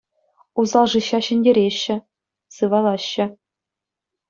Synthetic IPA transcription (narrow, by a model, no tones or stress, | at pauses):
uzɑlˠʐɯɕːɑɕɘ̆nʲdʲeɾʲeɕːɘ̆ | sɯʋɑlˠɑɕːɘ̆